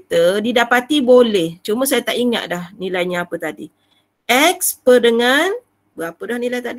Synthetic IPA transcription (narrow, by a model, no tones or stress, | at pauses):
t̪ədidapat̪ibolɛht͡ʃuməsajat̪aʔiŋa̰ʔ̪̚dahnilajɲaːpət̪adḭ | ʔɛk̚spədəŋan | bəɣapədahnilajt̪aʔdi